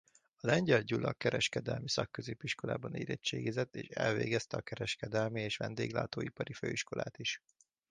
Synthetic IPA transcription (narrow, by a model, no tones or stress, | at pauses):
ɒlɛɲɟɛlɟulɒkɛɾɛʃkɛd̪ɛlmisɒkːøzeːpiʃko̞laːbɒneːɾɛt͡ʃːeːɡizɛt̪ːeːʃɛlveːɡɛst̪ɛɒkɛɾɛʃkɛd̪ɛlmieːʃʋɛnd̪eːɡla̰ːt̪oːipɒɾiføːiʃko̞lʔaːt̪iʃ